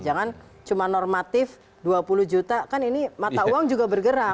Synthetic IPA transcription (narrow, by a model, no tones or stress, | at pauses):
d͡ʒaŋan | t͡ʃumanɔrmat̪ɪf | duapuluhd͡ʒut̪akaninimat̪auwaŋd͡ʒuɡabərɡəɾa